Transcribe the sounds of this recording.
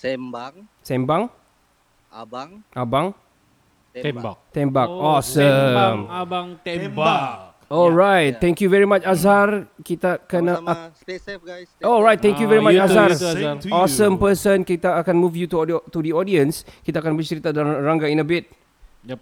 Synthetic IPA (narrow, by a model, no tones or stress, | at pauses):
sɛ̃mbaŋ | ʔabaŋ | akt̪ɛ̃mbak̚ɔsəmaŋ | ɔlɹajt̚t̪ɛ̃ŋkjuvɛɹimat͡ʃazarkit̪akanaa | ɔlɹajt̚t̪ːɛ̃ŋkjuvɛɹimat͡ʃaza | ɔsə̃mpəsə̃nkit̪aːkãnmufjut̪ut̪udiɔdiə̃nskit̪aakanbət͡ʃəɾit̪adnɹaŋɡaĩnəbit̚